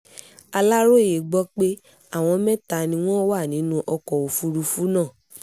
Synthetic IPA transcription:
a˧la˦ɾo˦˨e˨ɡ͡bɔ˦k͡pe˦ | a˦˨w̃ɔ̃˧˦mɛ̃˦ta˧˨nĩ˧w̃ɔ̃˦wa˦˨nĩ˨˦nũ˦ʔɔ˧kɔ˨o˨fu˦ɾu˧˦fu˦nãː˦˨

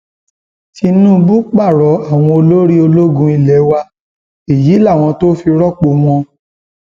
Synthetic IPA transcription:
ti˧nũ˦bu˦k͡pa˦˨ɾɔ˨˦a˦˨w̃ɔ̃˧o˧lo˦ɾi˦o˧lo˦ɡũ˧˦i˧lɛ˨˦wa˧ | e˨ji˨˦la˦˨w̃ɔ̃˧to˦fi˧ɾɔ˦k͡po˧m̃ɔ̃˧

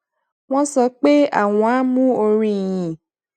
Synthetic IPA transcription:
w̃ɔ̃˦sɔ˨˦k͡pe˦a̰˨wɔ̃˨a˦mũ˦o˨ɾi˦jĩ˨

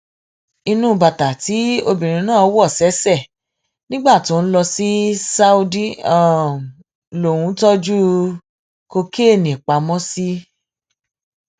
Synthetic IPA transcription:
i˧nũ˦˨ba˨ta˨ti˨˦o˧bĩ˨ɾ̃ĩ˧˦nãː˦˨ɔ˨˦wɔ˦˨sɛ˨˦sɛ˦˨ | nĩ˦ɡ͡ba˦˨to˨˦n̩˦lɔ˧si˦sa˦u˧di˦a˨ | lo˨wũ˨˦tɔ˦d͡ʒu˦ | ko˧ke˦˨nĩ˨k͡pa˧˦mɔ̃˦si˦

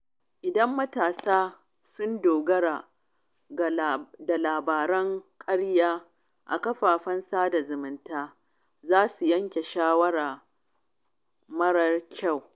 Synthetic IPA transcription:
ʔɪ˨dɐ˦mːɐ˦taː˨saː˦ | sʊ˦ndoː˨ɡɐ˦ɽaː˨ | da˨laː˨baː˨ɾɐ˦ŋkʼɐ˦ɽjaː˦ | ʔa̰˨kɐ˦ɸaː˨ɸɐ˦nsaː˦da˨zʊ˨mɪ˨ntaː˦ | zaː˦su˨jɐ˦ŋkʲe˨ʃaː˦wɐ˦ɽaː˨ | mɐ˦ɽɐ˦rkʲa˦˨w

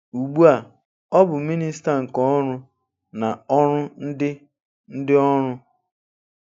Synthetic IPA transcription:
u˨ɡ͡bu˦a˨ | ɔ˦bʊ˨mi˦ni˦s̬ta˨ŋ̩˨kɔ˦ɔ˦ɾʊ˦ | na˨ɔ˦ɾʊ˦n̩˦dɪ˦ | n̩˦dɪ˦ɔ˦ɾʊ˦

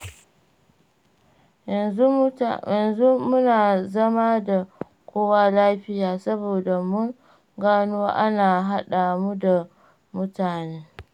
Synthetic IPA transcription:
jɐ˨nu˦ɐ˨nzu˦mʊ˦naː˨zɐ˦ma˦da˨ | kʷoː˦wa˦laː˦ɸɪ˦jaː˨sɐ˦boː˨da˨mʊ˦ŋ | ɡaː˦nu˦wa˦ʔa˦naː˨ɦa˦ɗa˨mu˦da˨ | mʊ˦taː˨neː˦

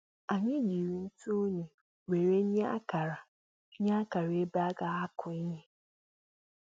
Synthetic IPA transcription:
a˨ɲɪ̃˦d͡ʑi˨ɾi˨n̩˦tʰu˦ɲĩ˨ | we˨ɾe˦ɲ˦ɲĩ˦a˦kʰa˨ɾa˨˦ | ɲĩ˦a˦kʰa˨ɾɪ˨˦e˦ba˦ɡa˨a˦kʰʊ̃˨˦ɲɪ̃˦

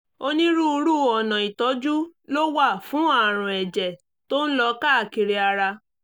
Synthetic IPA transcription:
o˧nĩ˦ɾu˦u˧ɾu˦˨ɔ˨nã˨i˨tɔ˨˦d͡ʒu˦lo˦wa˦˨fũ˨˦a˦˨ɾ̃ã˨ɛ˨d͡ʒɛ˨ | to˦ñ̩˦lɔ˧ka˦a˦˨ki˧ɾi˧a˧ɾa˧

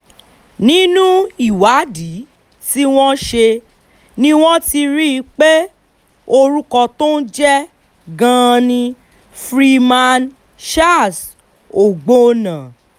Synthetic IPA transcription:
nĩ˦nũ˦i˦˨wa˨˦di˨˦ | ti˦w̃ɔ̃˦ʃe˧ | nĩ˦w̃ɔ̃˦ti˧ɾi˦˧k͡pe˦ | o˧ɾu˦kɔ˧to˦n̩˦d͡ʒɛ˦ | ɡã˦˧nĩ˧ | fɾi˧mã˧n | ʃa˦˨s | o˨ɡ͡bo˦˧nã˨

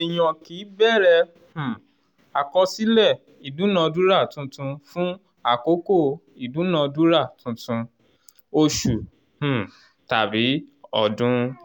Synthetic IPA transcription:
i˨j̃ã˧ki˨˦bɛ˦˨ɾɛ˧ | h̩˨ | a˨kɔ˧si˦lɛ˦˨ | i˨dũ˨˦nã˨˧dũ˦ɾa˦˨tũ˨˧˦tũ˧fũ˦ | a˨ko˨˦ko˦˨ | i˨dũ˨˦nã˧du˦ɾa˦˨tũ˨˦tũ˧ | o˧ʃu˨ | h̩˨ | ta˨bi˨˦ɔ̰˨dũ˨˧˦

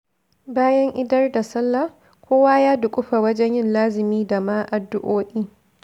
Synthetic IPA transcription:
baː˦jɐ˦ŋʔɪ˦dɐ˦rda˨sɐ˦lːa˦˨ | kʷʰoː˦waː˦jaː˦dʊ˨kʷʼʊ˦ɸa˨wɐ˦d͡ʒɛ˦ɲjɪ˦nlaː˦zɪ˨miː˦da˨maː˦ʔa˨dːʊ˦ʔoː˦ʔiː˦

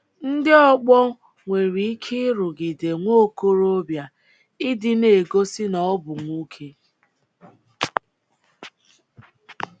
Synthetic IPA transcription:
n̩˦dɪ˦ɔ˦k͡pɔ˦ | ŋʷe˨ɾi˨i˦kʰɪ˦ɾʊ˨ɡi˨de˨ŋʷo˦˨ko˦ɾo˦bja˨ | ɪ˦dɪ˦ne˨ɡo˦sɪ˦nɔ˨˦bʊ˨ŋʷu˦kʰe˦

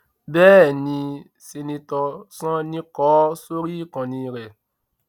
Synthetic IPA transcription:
bɛː˦˨nĩ˧ | se˧nĩ˧tɔ˧sɔ̃˦nĩ˧kɔː˨˦so˦ɾi˦kɔ̃˨nĩ˧ɾɛ˨

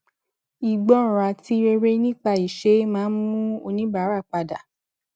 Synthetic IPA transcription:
i˨ɡ͡bɔ˨˦˨ɾa˧ti˨˦ɾe˧ɾe˦nĩ˦k͡pa˧i˨ʃe˦mãː˦n˦mũ˦o˧nĩ˦ba˨˦ɾa˦˨k͡pa˧da˨

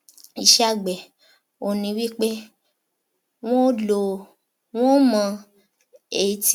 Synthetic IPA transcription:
i˨ʃɛ˦a˦˨ɡ͡bɛ˨ | o˨nĩ˧˦wi˦k͡pe˦ | w̃ɔ̃˦lo˨ | w̃ɔ̃˦mã˨˧ | e˨t

